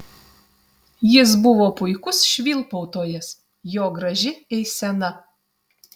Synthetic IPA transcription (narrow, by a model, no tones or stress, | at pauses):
jɪs̬bʊʋoːpʊɪkʊsʃʲʋʲiːlˠpɔʊt̪oːjɛs | joːɡɾɐʒʲɪɛɪsʲɛnɐ